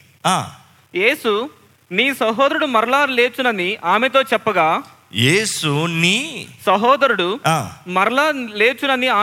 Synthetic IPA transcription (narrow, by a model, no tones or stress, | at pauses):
aː | je̞ːsu | niːsɐɦoːd̪ɐɾuɽumɐɾɐlaːle̞ːt͡ʃunɐniʔaːmet̪o̞ːt͡ʃɛpːɐɡaː | jeːsuniːsɐɦɔːd̪ɐɾuɽuaːmɐɾɐlaːle̞ːt͡ʃunɐniaː